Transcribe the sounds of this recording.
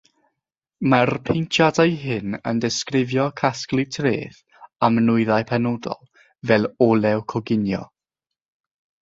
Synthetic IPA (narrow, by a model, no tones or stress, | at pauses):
marpʰejntʰjadajɦɪnə̰ndɪskrɪvjɔkʰasklˠɨtʰrḛːθ | amnʊɨðaɨpʰɛnɔdɔ̰lˠ | vɛlˠɔlˠɛwkʰɔɡɪnjɔ̰